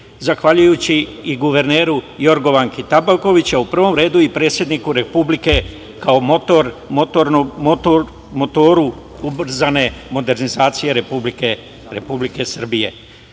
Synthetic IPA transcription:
zaxʋaʎujut͡ɕiːɡuʋe̞ɾneːɾujo̞ɾɡo̞ʋaŋkit̪abalko̞ʋit͡ɕaupr̩ʋo̞mɾe̞ːd̪uipɾe̞ːt̪sʲjed̪nikuɾe̞publike̞ | kaomot̪oɾmot̪onto | mot̪oːɾu | ubr̩zane̞mo̞d̪e̞ɾnizaːt̪sije̞ɾepublike | ɾe̞̰publike̞sr̩bije̞̰

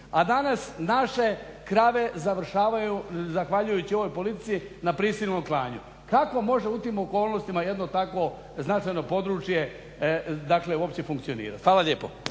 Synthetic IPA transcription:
ad̪anasnaʃe̞kɾaʋe̞zaʋr̩ʃaːʋajuzaxʋaʎujut͡ɕio̞ʋo̞jpo̞lit̪i̥t̪siinapɾisilnomklˠaːɲṵ | kako̞mo̞ʒeut̪iːmo̞ko̞ːlˠno̞st̪imaje̞d̪no̞t̪ako̞ | znat͡ʃajno̞po̞d̪ɾuːt͡ʃje̞ | d̪akleuopt͡ɕe̞fuŋk̚t̪sio̞nḭːɾa̰t̪xʋaːlaʎjeːpo̰

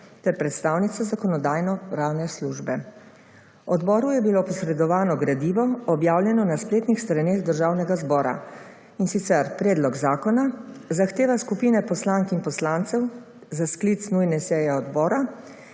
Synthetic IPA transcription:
t̪ɛɾpɾɛt̪st̪aːwnit̪sazakɔnɔd̪aːjnɔpɾaːwnɛsluʒbɛ | ɔd̪bɔːɾujɛbilopɔsɾɛd̪ɔʋaːnɔɡɾad̪iːʋɔɔbjaːwljɛnɔnaspleːt̪nixst̪ɾaneːɣd̪əɾʒaːwnɛɡazbɔːɾa̰ | insit̪sɛɾpɾɛːd̪lɔɡzaːkɔnazaxt̪eːʋaskupiːnɛpɔslaŋkinpɔslant̪sɛw | zasklit̪snujnɛsɛjɛɔd̪bɔːɾa

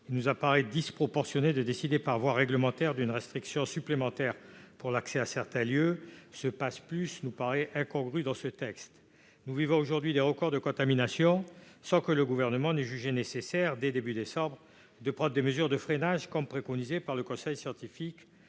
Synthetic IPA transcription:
ilnuzapaʁɛd̪ispχɔpɔʁsjɔned̪əd̪esid̪epaʁvwaʁːɛɡləmɑ̃t̪ɛʁd̪ynʁɛst̪χiksjɔ̃syplemɑ̃t̪ɛʁpuʁlaksɛasɛʁt̪ɛ̃ljøsəpasplysnupaʁɛʔɛ̃kɔ̃ɡʁyd̪ɑ̃sət̪ɛkst̪ | nuvivɔ̃oʒuʁd̪ɥid̪eʁəkɔʁd̪əkɔ̃t̪aminasjɔ̃sɑ̃kələɡuvɛʁnəmɑ̃nɛʒyʒenesesɛʁd̪ed̪ebyd̪esɑ̃bʁ | d̪əpχɑ̃d̪ʁd̪eməzyʁd̪əfχenaʒkɔmpχekɔnizepaʁləkɔ̃sɛjsjɑ̃t̪ifik

